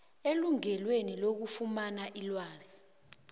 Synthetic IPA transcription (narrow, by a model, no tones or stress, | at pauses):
eluŋɛlwenilok̬ufumanaʔilwaːz̥i